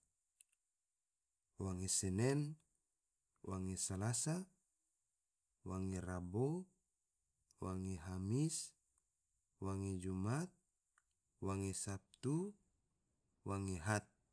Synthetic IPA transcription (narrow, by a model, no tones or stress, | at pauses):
waŋesɛnɛn | waŋesalasa | waŋerabo | waŋeɦamis | waŋed͡ʒumat̪̚ | waŋesap̚t̪u | waŋeɦat̪̚